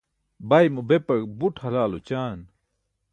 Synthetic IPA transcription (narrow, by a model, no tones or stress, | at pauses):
bɐjmɐbepɐkbuʈʰhɐlaːlot͡ɕaːn